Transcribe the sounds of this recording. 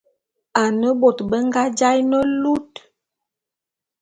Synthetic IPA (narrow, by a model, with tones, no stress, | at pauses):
a˨nə˦bo˨tbə˦ŋ˦ɡa˦d͡ʒa˦jnə˦lu˦t